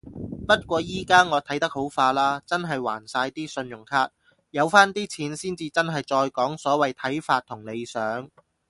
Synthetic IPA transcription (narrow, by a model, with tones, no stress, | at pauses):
pɐ˥t̚kʷɔː˧jiː˥kaː˥ŋɔː˨˧t̪ʰɐ˨˥jt̪ɐ˥k̚ho˨˥wfaː˧laː˥t͡sɐ˥nɦɐ˨jwa̰ː˨˩nsaː˧jt̪iː˥sɵ˧njʊ˨˩ŋkʰaː˥t̚ | jɐ˨˧wfaː˥nt̪iː˥t͡sʰiː˨˥nsiː˥nt͡siː˧t͡sɐ˥nɦɐ˨jt͡sɔː˧jkɔː˨˥ŋsɔː˨˥wɐ˨jt̪ʰɐ˨˥jfaː˧t̚t̪ʰːʊ˨˩ŋle˨˧jsœː˨˥ŋ